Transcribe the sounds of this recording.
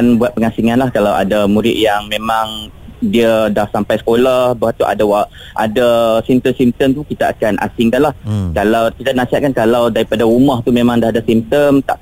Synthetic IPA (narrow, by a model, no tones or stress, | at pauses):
nbuat̪̚pəŋasiŋanlahkalawa̰damuɾɪ̰ʔ̪̚jaŋmẽmãŋ | diadahsampajsə̥kolahbaɦat̪uʔa̰dawa | ʔa̰dasimt̪əmsim̚t̪əmt̪ukit̪aa̰kanʔa̰siŋkanlahkalawkit̪anãsiɦat̪̚kankalawdaɾipadaɾumaht̪umẽmãŋdaɦadasimp̚t̪əmt̪a̰ʔ